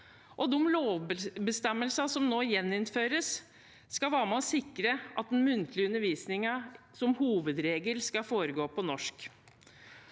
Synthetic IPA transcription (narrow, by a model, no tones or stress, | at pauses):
ʔɔd̪ɔmloːʋbəst̪ɛmːəlsɑsɔmnoːjɛnːɪnføːɾəsː | kɑʋæːɾmɛɔsɪkɾəʔɑ̰t̪̚d̪ɛnmʉnt̪ʰlɪʉnːəɾʋiːsnɪŋə | sɔmhuːʋəd̪ɾeːɡəlskɑfoːɾəɡoːpʰɔnɔʂk